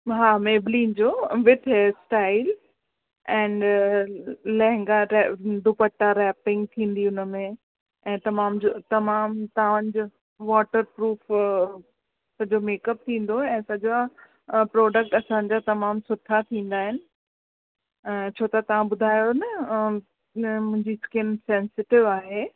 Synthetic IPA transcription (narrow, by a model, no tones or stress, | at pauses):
ɦaːmeːblĩːnd͡ʑoːʋɪt̪ʰesʈaːɪl | ɛ̃ːn | lɐ̃ɦɪ̃ŋɡaɾɛɖ̪ʱʊpəʈːaɾɛːpɪ̃ŋɡ̚t̪ʰĩːn̆d̪iʊnəmẽ | ɛ̃ːt̪ɐmaːmd͡ʑot̪ɐmaːmt̪ɐãə̃nd͡ʑo | ʋɔːʈəɾpɾuːf | sɐd͡ʑomeːkəp̚t̪ʰĩːn̆d̪oɛ̃ːsɐd͡ʑoa | pɾɔːɖək̚ʈɐsãɲd͡ʑat̪ɐmaːmsʊt̪ʰat̪ʰĩːn̆d̪aːɦɪnɪ̆ | t͡ɕʰoːt̪ɐt̪ɐʋ̤ãbʊd̪ʱaːjonɐ | mʊ̃ɦɪ̃ɲd͡ʑiskɪnsɛ̃ːnsɪʈɪʋaːɦeː